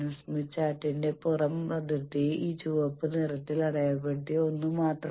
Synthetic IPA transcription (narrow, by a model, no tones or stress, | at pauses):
ɐsmit͡ɕːaːʈːindepurɐmrɐd̪it̪ːiiːd͡ʑuːʋɐpːɨnirɐt̪ːilɐɽɐjɐp̬ːeɽʈːionːumaːt̪r